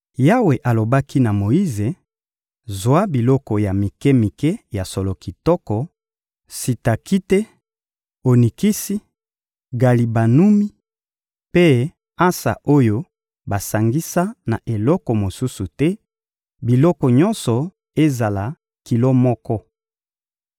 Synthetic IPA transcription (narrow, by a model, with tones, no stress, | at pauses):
ja˦we˨ʔa˨lo˨ba˦ki˦na˨mo˨ji˦ze˨ | zwa˦bi˨lɔ˦kɔ˨ja˨mi˨kɛ˦mi˨kɛ˦ja˨so˨lo˨ki˨tɔ˦kɔ˨ | si˨ta˨ki˦te˦ | o˨ni˨ki˦si˦ | ɡa˨li˨ba˨nu˦mi˦ | pe˦ | a˦sa̰˨ʔo˦jo˦ | ba˨sa˨ŋɡi˦sa˦na˨ʔe˨lɔ˦kɔ˨mo˨su˦su˨tɛ˦ | bi˨lɔ˦kɔ˨ɲɔ˦nsɔ˨ | e˦za˨la˨ | ki˨lo˦mɔ˦kɔ˦